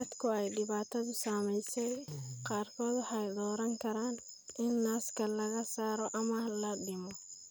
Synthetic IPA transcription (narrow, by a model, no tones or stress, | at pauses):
ɐd̪kʰʊɛjɖɪβaːt̪ʰɐðʊsaːmɛjsɛjqɑːrkʰɔːd̪wɑħɑjd̪ɔːɾɐŋkʰɐɾaːn | ɪnːaːskʰɐlɐɣɐsaːɾɔʔɐmɐlɐɖɪmɔ